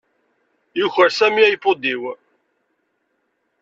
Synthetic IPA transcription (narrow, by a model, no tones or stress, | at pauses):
jʊçəɾsæmiæjəpːʊd̪iw